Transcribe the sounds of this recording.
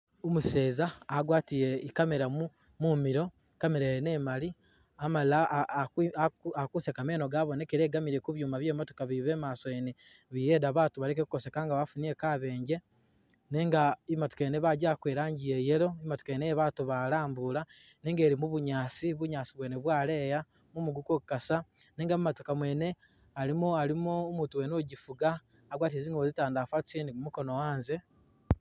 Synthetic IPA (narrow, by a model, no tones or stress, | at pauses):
omuse̞ːzaːɡwaːtijeikameɾamu | mumiɾo̞ | ikameɾejene̞mali | amala | akakusekame̞ːno̞ɡaːβo̞ne̞keɾeːɡamiɾe̞kuβjuːmaβje̞ːmotokaβiβe̞ːmaːsoene | βije̞ːdaβaːtuβalek̬eku̥ko̞se̞kaːŋɡaβafunie̞kaːβe̞ːɲɟe̞ | neŋɡaimato̥keneβaɟakweːɾaːɲɟijeje̞ɾo̞imato̥kanejeβaːtuβalaːmbula | neːŋɡe̞ːɾimuβuɲaːsiβuɲaːsiβweːneβwaːle̞ːja | mumuɡukokukasaneːŋɡamumatokamwe̞ːne̞ | alimuaɾimoːmuːtuweːnoɟifuɡaː | ɡwaːt̬ieziːŋɡozitaːndaːfḁt͡sinimumuko̞no̞waːnze̞